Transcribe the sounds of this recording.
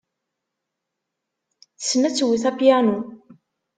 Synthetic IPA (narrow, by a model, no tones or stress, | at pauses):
θə̥sːnæt͡sːwiθæpjænu